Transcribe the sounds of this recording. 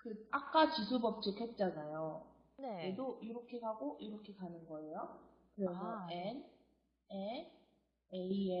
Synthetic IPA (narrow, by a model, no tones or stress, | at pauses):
kɯak͈at͡ɕisʰubʌp̚t͡ɕ͈ʰikʰe̞t̚t͡ɕ͈anajo | neɾedoiɾʌkʰe̞kaɡoiɾʌkʰe̞kanɯnɡʌejo | kɯɾʌnʌen | e | eie